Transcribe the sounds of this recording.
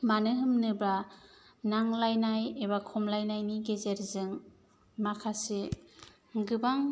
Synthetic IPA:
manɯɦɯmnɯbɾa | naŋlajnajeβakʰɔmlajnajniɡezeɾzɯŋ | makʰase | ɡɯbaŋ

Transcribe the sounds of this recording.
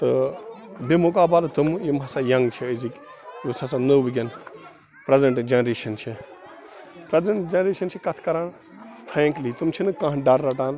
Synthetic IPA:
t̪ɨ | bemuk̬aːbaːlt̪umjimɦɐsaːjɐŋɡt͡ʃʰiəzikʲ | jusɐsanəʋɡʲɐn | pɾɐzɐɳʈd͡ʒɐnɾeːʃɐnt͡ʃʰi | pɾɐzɐɳʈd͡ʒɐnɾeːʃɐnt͡ʃʰikɐt̪ʰkɐɾaːn | pʰɾẽːŋklit̪umt͡ʃʰinɨkãɦɖaɾːɐʈaːn

